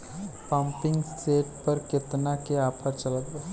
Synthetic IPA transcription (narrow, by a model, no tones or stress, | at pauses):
pampɪŋɡseʈpəɾket̪nakeapʰəɾt͡ʃələt̪ba